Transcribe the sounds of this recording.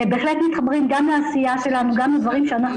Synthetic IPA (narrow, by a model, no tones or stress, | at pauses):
ebeːχle̞t̪mit̪χabʁimɡamleaːsijaʃe̞lanuɡamled̪vaʁimʃeanaχ